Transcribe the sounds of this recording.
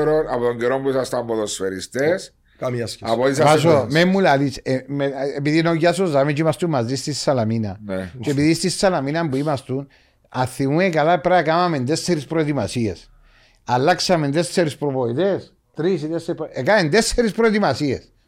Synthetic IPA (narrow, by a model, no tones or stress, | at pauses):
eɾonaβðoŋɡeɾombusast̪amboðosfeɾist̪es | kaaskaβoisas̬omemːulalit͡ʃemeebiðinojas̬ozamet͡ʃimast̪umːazd̪ist̪issalaminat͡ʃepiðist̪issalaminambuimast̪un | aθiwekalapɾakamamend̪esseɾispɾod̪imasies | alːaksamend̪esseɾispɾopoiðes | t̪ɾis̬id̪esepekaend̪eseɾispɾod̪imasies